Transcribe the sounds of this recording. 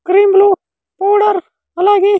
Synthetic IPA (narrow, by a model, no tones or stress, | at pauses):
kɾiːmbluː | poːɽəɾ | ɐlaːɡĩː